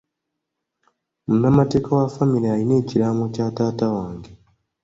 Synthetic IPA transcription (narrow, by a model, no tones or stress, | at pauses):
munːamate̞ːkawafamiɾeaɾine̞ːciɾamocaːtaːtawaːŋɡe